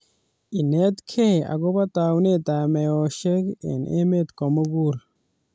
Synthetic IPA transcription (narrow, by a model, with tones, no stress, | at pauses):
i˨ne˦t̪kʰea̰˨ɡo˦bat̪aːwne˦t̪a˨mejoːʃe˦ɡḛ˨nʔḛ˦me˦t̪komuɡuɾ